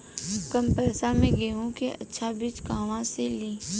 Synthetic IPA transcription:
kəmpɛːsamẽɡeːũkeʔɐ̰tːʃʰabɪt͡ʃkaːʋãseliː

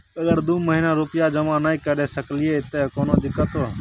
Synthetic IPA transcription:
əɡəɾd̪uːməɦinaːɾʊpɪjaːd͡ʒəmãːnaĩkəɾeːsəklɪjeːt̪ekoːnoːd̪ɪkːət̪oː

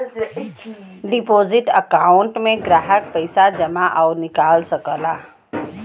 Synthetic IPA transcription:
ɖɪpoːzɪʈəkaːʊ̃ɳʈmẽɡɾaːɦək̚pəɪsad͡ʒɐmaʔɔːnɪkaːlsəkəlaː

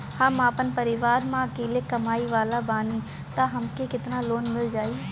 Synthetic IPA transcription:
həmaːpənpəɾɪʋaːɾmãəkeːlekəmaːiʋaːlabaːni | t̪aɦəmkekɪt̪naloːnmɪld͡ʒaːiː

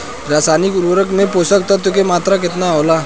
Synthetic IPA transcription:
ɾaːsaːnɪkʊɾʋəɾəkmẽpoːsək̚t̪ət̪ukemaːt̪ɾakɪt̪naɦoːlaː

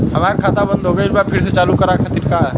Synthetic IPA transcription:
ɦɐmaːɾekʰaːt̪abənd̪ʱɦoːɡəɪlbapʰɪɾset͡ʃaːlukɐɾakʰat̪iɾkaːɦɛ

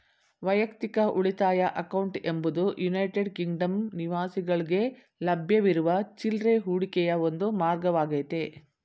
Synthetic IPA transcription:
ʋɐjɐkt̪ikɐʔuɭit̪aːjɐʔɐkɐwɳʈembud̪ujunɐjʈeɖkiŋɡɖɐmniʋaːsiɡɐɭiɡe̞ | lɐbʱjɐʋiɾuʋɐt͡ʃilɾeɦuːɽikɛjɐond̪umaːɾɡɐʋaːɡɐjt̪e

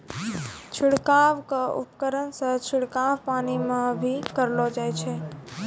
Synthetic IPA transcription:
t͡ʃʰʊɽkaʋkaʔʊ̰pkəɾənsət͡ʃʰʊɽkaʋpaːnimãbʱikəɾlod͡ʒaːjt͡ʃʰeː

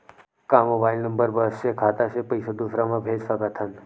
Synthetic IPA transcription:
kamobajlnəmbəɾbəsʃekʰat̪aʃepəjsod̪usɾamãbʱed͡ʒfakət̪ʰan

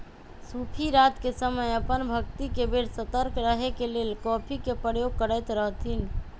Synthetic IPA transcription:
supʰiɾat̪kesəməjəpənbʱəkt̪ikebeɽsət̪əɾkɾəɦekelelkɔpʰikepɾəjoɡ̚kəɾəjt̪ɾəɦt̪ʰin

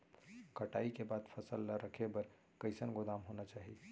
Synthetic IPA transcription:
kəʈaikebad̪pʰəsəlːaɾəkʰebəɾ | kəɪsənɡod̪amɦonat͡ʃaɦi

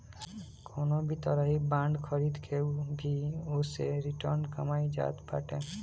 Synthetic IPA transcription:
kʰoːnobʱit̪əɾəɦibãːɳɖkʰəɾid̪kʰebʱiʊseɾɪʈəɾnkəmaːid͡ʒa̰ːt̪pʰa̰ʈe

